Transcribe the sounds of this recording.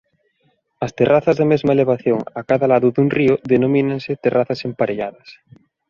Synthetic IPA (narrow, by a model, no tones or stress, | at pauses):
ɐst̪eraθazðamezmaeleβ̞aθjoŋakaðalaðʊðunrioðenomĩnaŋset̪erʔaθɐsempaɾeʎaðɐs